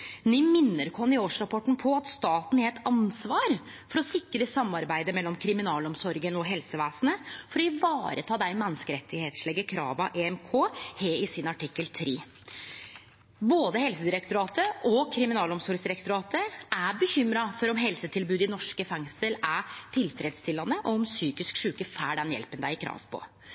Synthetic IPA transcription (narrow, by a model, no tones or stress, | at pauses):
nɪmɪnːəɾkʰɔnɪoːʂɾɑpʰɔʈːn̩pʰɔɑt̪st̪ɑːt̪n̩ɛɛt̪ʰɑnsʋɑːɾ | fɔɾɔsɪkːəɾɪsɑmːɑɾbæɪd̪əmɛlːɔmkʰɾɪmɪnɑːlɔmsɔɾɡənɔɦɛlsəʋæːsnəfɔɾɔɪʋɑːɾʔət̪ʰɑːd̪æɪmɛnːəskəɾɛt̪ʰːɪɡheːt̪ʂlɛɡːəkʰɾɑ̰ːʋɑʔeɛmkʰoːheːɪsɪnɑʈʰɪkːəlt̪ʰɾeː | boːd̪əhɛlsəd̪ɪɾɛkt̪ʊɾɑːt̪əɔkʰɾɪmɪnɑːlɔmsɔɾɡsd̪ɪɾɛkt̪ʊɾɑːt̪əʔæbəçʏmɾɑfɔɾɔmɦɛlsət̪ʰɪlbʉːd̪ɪnɔʂkəfɛŋsəlæʈʰɪlfɾɛːd̪st̪ɪlːɑnəʔɔɔmsyːkɪskʂʉːkəfæːɖɛnjɛ̰lpənd̪æɪɪkʰɾɑ̰ːʋpʰɔ̰